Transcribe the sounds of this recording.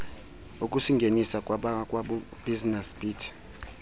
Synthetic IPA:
uk̬ʼusiŋɡʱenisakʼwaɓakʼwaɓub̥iznɛsb̥iːtʰ

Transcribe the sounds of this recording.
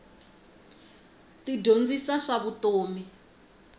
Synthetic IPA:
tidʱond͡zisaʂaβutoːmi

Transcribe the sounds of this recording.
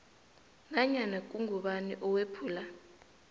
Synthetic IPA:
naɲanak̬ʼuŋuɓanḭʔɔwepʰuːla

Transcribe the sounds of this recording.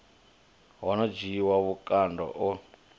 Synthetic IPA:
ɦɔnɔd͡ʒiːwaβukʼandɔ̰ʔɔ

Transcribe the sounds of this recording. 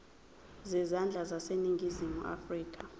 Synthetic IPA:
zɛzand͡ɮʱazaseniŋɡʱizimṵʔa̰friːk̬ʰʼa

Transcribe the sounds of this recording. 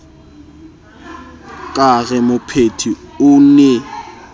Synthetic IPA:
kʼaɣɛmʊpʰetʰiʊnɛ

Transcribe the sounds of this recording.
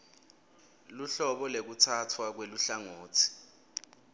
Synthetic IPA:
luɬɔɓɔlek̬utʰatʰwak̬weluɬaŋoːtʰi̥

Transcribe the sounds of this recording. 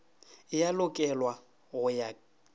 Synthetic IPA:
ɪjalʊkʼɛlwa | ɣʊja

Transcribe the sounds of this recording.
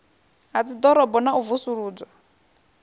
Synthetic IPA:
ɦat͡sid̪ɔɾɔbɔnauvusuɺuːd͡zɔ

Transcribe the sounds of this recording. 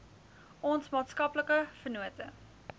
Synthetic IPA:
ʔɔnsmɑːtskɐpləkəfərnuətə

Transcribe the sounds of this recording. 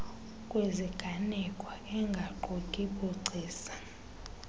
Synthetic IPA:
kʼweziɡ̥ʱanɛkʼwaɛŋɡʱaǃokʼiɓuǀiːsḁ

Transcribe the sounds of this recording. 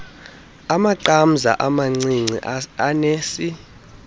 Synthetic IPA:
amaǀam̩za̰ʔamaŋ͡ǀiŋ͡ǀʱḭaneːsi

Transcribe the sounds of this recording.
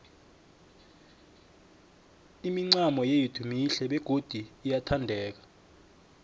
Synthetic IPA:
imiŋ͡ǀamɔjejitʰumiɬɛɓɛɡ̥ʱod̥ʱiːjatʰandʱɛːk̬ḁ

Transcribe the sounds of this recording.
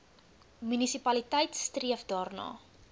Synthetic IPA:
mynisipɐlitɛjtstriəfdɑːrnɑ̰ː

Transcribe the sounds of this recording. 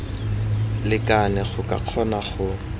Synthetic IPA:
lɪkʼanɛχʊkʼa̰q͡χʰɔnaχʊ

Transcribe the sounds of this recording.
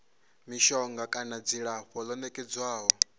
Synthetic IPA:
miʃɔŋɡakʼanad͡ziɺaɸɔlɔnɛkʼɛd͡zwaːɦɔ

